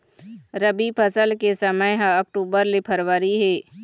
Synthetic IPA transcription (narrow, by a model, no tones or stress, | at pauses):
ɾəbipʰəsəlkesəməjɦãɐk̚ʈuːbəɾlepʰɐɾwəɾiɦɛː